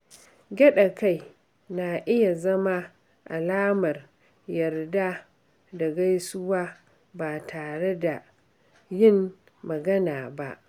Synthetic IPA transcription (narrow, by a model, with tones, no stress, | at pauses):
ɡʲɛ˦ɗa˨ka˦˨j | na˨ʔɪ˦ja˨zɐ˦ma˦ | ʔa̰˨laː˦mɐ˨r | jɐ˨rda˦ | da˨ɡa˦jsʊ˦waː˦ | baː˨tʰaː˨ɽe˦da˨ | jɪ˦mː | ɐ˨ɡɐ˦naː˨ba̰˦ʔ